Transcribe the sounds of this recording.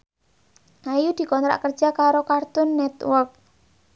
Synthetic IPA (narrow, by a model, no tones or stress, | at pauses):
ʔajud̪̥i̤kɔnt̪ɾa̰ʔkərd͡ʒʒ̥a̤kaɾokart̪ʊnːɛt̪wɔrk̚